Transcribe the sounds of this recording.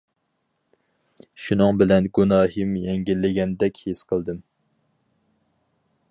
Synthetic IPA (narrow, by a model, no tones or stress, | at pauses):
ʃunɨŋbɪlɛnɡunɑːɦɨmjɛŋɡʲilːɪɡʲɛnd̪ɛkʲhesqʰəlˠd̪ɨm